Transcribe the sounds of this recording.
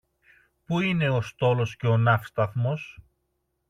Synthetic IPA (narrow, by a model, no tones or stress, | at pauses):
puine̞o̞st̪o̞losce̞o̞nɐfst̪ɐθmo̞s